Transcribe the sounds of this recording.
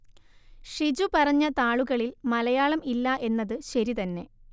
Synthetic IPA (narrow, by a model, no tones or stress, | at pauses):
ʂid͡ʑupɐrɐɲːɐt̪aːɭuɣɐɭilmɐlɐjaːɭɐmilːɐʔe̞nːɐðɨɕɐɾit̪ɐnːe̞̰